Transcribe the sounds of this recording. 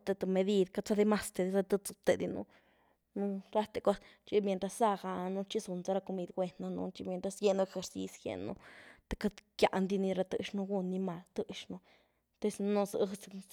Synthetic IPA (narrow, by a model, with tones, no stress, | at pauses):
t̪e˧t̪o˧me˧d̪i˧d̪ka˧t͡sa˦d̪e˧ma˧st̪e˨˧d̪i˧ta˦˧t̪ə˧t͡su˧t̪e˧d̪i˧nṵ˧ | nu˧t̪a˦t̪e˨kʷa˦t͡ʃi˦mʲje˧nt̪ɾa˧sːa˦ɡa˧nu˧t͡ʃi˦su˧nt͡sa˧ɾa˧ko˧mi˧d̪ɡʷwe˧nːa˧nṵ˧t͡ʃi˧mʲje˧nt̪a˧sɡʲe˦˧nu˧e˧xe˧ɾsḭ˧sɡḛ˧nṵ˧t̪ḁ˧ka˧˦kja̰˨ʔnd̪i˧ni˧ɾa˧t̪ɨ˧ʃnu˧ɡu˧nːi˧ma˧lt̪ɨ˧ʃnu˧ | t̪e˧snu˧sɨ̰˧t͡s